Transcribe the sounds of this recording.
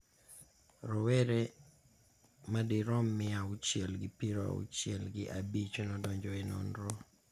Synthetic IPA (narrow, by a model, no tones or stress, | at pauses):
ɾɔwɛɾe | madɪɾɔmːɪaut͡ʃjɛlɡɪpiɾa̰ṵt͡ʃjɛlɡɪʔabit͡ʃonɔdɔɲd͡ʒɔɪnɔ̰nɾo